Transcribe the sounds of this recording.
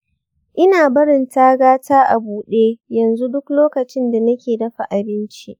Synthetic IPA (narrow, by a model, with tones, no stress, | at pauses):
ʔɪ˦naː˨bɐ˦ɽɪ˨ntaː˦ɡaː˦taː˦ʔa˨buː˨ɗeː˦jɐ˨nzu˦dʊ˦kloː˦kɐ˨t͡ʃɪ˦nda˨nɐ˦kʲeː˨dɐ˦ɸa˨ʔa˨bɪ˦nt͡ʃi˦ʔ